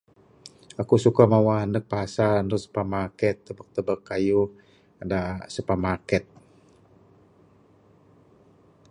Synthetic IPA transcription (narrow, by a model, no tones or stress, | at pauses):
akusukamawaanək̚paɦasandusu̥pəmakɛt̪ːəbək̚t̪əbəkːaju | dasupəmakɛt̪̚